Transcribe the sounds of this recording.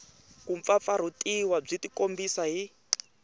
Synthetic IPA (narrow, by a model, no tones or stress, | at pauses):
kuɱfap̪faɾ̤utʼiwab͡ʐitikombisaɦi